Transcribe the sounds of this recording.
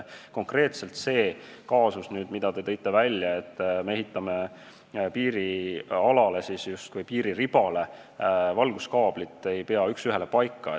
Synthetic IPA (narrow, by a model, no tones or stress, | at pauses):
ko̞ŋkre̞ːt̪se̞lt̪se̞ːkɑːsusnyːd̪̥mid̪̥ɑt̪e̞t̪ɤjt̪ːˑe̞vælʲjɑe̞t̪ːme̞e̞ɦit̪ːˑɑme̞ | piːɾiɑlɑle̞sisjust̪̚kujpiːɾiɾib̥ɑle̞ | vɑlɡ̥uskɑːb̥lit̪ːˑe̞jpe̞ɑyksyɦe̞lepɑjkːˑɑ